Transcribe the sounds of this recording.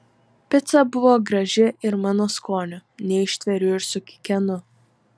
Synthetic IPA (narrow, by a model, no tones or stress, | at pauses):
pʲɪt̪sɐbʊʋoːɡɾɐʒʲɪɪɾmɑːnoːskoːnʲʊnʲɛɪʃʲt̪ʲʋʲɛɾʲʊɪɾsʊkʲɪ̥kʲɛnʊ